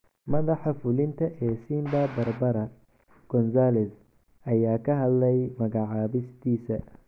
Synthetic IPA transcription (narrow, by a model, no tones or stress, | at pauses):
mɐðɑħɑfʊlɪnt̪ʰɐʔɛːsiːmbabɐrbɐɾɐ | ɡ̥ɔnsaːlɛs | ɐjaːkʰɐɦɐd̪lɛjmɐɣɑʕɑːβɪst̪ʰiːsɐ